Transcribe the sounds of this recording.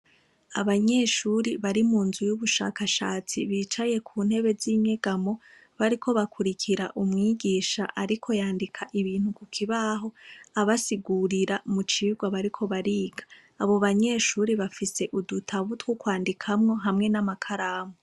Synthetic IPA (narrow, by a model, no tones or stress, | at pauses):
aβaɲe̞ʃuːɾiβaɾimuːnzujuβuʃa̰ːkaʃaːt͡siβiːt͡ʃaje̞kʰuːn̥he̞βe̞ziːɲeɡ̥amo̞ | βaɾikʰo̞βakʰuɾikʰiɾaʔumŋiːɡiːʃa̰ʔaɾikʰo̞jaːndikʰaʔiβiːn̥hukukʰiβaɦo̞aβasiɡuɾiɾamut͡ʃiːɡwaβaɾikʰo̞βaɾiːɡḁː | βo̞βaɲe̞ːʃuːɾiβafise̞ʔudutʰaβutwukwaːndikʰamŋo̞ɦamŋe̞namakʰaɾaːmo